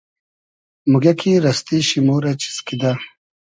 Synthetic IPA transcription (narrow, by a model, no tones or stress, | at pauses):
muɡɐkiɾɐst̪iɕimoːɾat͡ɕi̥skid̪a